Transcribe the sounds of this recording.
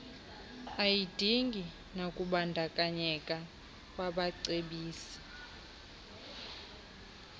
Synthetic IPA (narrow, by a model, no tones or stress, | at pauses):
ajid̥ʱiŋɡʱi | nakʼuɓandʱakʼaɲɛkʼa | kʼwaɓaǀeɓiːsi̥